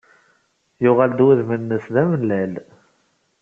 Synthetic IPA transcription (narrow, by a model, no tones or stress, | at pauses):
jʊʁald̪wæðmənːəsðæmənːæl